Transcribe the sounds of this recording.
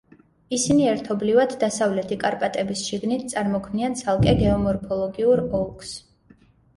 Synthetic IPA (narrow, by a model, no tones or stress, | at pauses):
isiniɛɾt̪ʰɔblivad̪ːasavlɛt̪ʰikʼaɾpʼat̪ʼɛbisʃiɡnit̪ʰt̪sʼaɾmɔkʰmniant̪sʰalˠkʼɛɡɛɔmɔɾpʰɔlˠɔɡiuɾɔlˠkʰs